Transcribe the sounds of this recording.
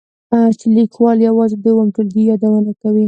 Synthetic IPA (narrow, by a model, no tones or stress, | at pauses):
at͡ʃɪlikwɑljawɑzɪd̪əwamʈʊld̪ijɑd̪awənakawi